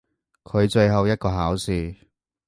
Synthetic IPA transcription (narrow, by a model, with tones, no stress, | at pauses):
kʰɵ˨˧ɥt͡ʃɵ˧ɥɦɐ˨wjɐ˥t̚kɔː˧ɦaː˨˥wsiː˨˧